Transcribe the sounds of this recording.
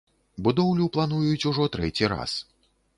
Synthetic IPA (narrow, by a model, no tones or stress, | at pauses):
bud̪ɔwlʲuplˠanujut͡sʲuʐɔt̪ɾɛt͡sʲiɾa̰s